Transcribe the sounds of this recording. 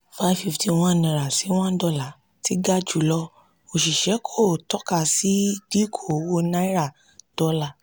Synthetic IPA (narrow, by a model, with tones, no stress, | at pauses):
fa˧˦fi˦˧fti˧w̃ɔ̃˧˦˨nĩ˧˨ɾa˨si˨˦w̃ɔ̃˦dɔ˦˨la˨˦ | ti˦ɡa˦d͡ʒu˦˨lɔ˧˦ | o˨ʃi˨ʃɛ˨˦kʰo˦˨tɔ˦ka˦˨si˨˦d̥i˦kʰo˨˦wo˧˦nã˦i˦ɾa˦˨ | d̥ɔ˧˦la˨